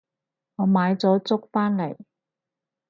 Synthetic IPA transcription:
ŋɔː˨˧maː˨˧jt͡sɔː˨˥t͡sʊ˥k̚faː˥nle˨˩j

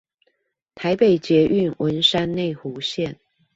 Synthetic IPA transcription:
t̪ʰa˧˦˥ɪpe˨˩ɪt͡ɕjɛ˨˦ʔy˥˨nwʔə˧˦nʂa˥nne˥˩ɪxu˧˥˦ɕjɛ˥˨n

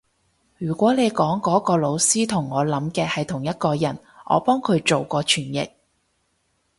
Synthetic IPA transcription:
jyː˨˩kʷɔː˨˥ne˨˧jkɔː˨˥ŋkɔː˨˥kɔː˧lo˨˧wsiː˥t̪ʰʊ˨˩ŋːɔː˨˧lɐ˨˥mkɛː˧hɐ˨jt̪ʰʊ˨˩ŋjɐ˥t̚kɔː˧jɐ˨˩n | ʔɔ̰ː˨˧pɔː˥ŋkʰɵ˨˧ɥt͡ʃo˨wkɔː˧t͡ʃʰyː˨˩njɪ̰˨k̚

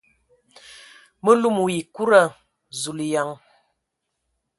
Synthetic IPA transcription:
mə˦lu˦mu˨i˨ku˦ɾa˦˨ | zu˨lja˨˦ŋ

